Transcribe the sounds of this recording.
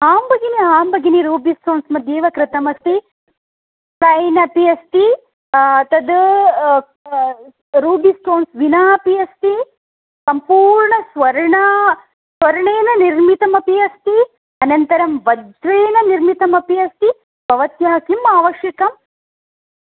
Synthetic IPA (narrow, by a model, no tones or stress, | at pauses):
aːmbɐɡiniaːmbɐɡiniɾuːbisʈoːnsmɐd̪ʱjeːʋɐkɾɪt̪ɐmɐst̪i | pɾɐjnɐpiɐst̪i | ɐt̪ɐd̪ | ɾuːbisʈoːnsʋinaːɐpiɐst̪i | sɐmpuːɾɳɐsʋɐɾɳɐ | sʋɐɾɐɳeːnɐniɾmit̪ɐmɐpiɐst̪i | ɐnɐnt̪ɐɾɐmʋɐdʱɾeːnɐniɾmit̪ɐmɐpiɐst̪i | b̥ʱɐʋɐt̪jaːkimaːʋɐʃjɐkɐm